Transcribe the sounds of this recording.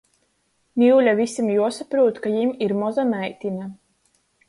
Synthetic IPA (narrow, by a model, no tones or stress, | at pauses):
nʲiwlʲavisimjuɔsapɾuɔt̪kajimiɾmɔzanajt̪ʲina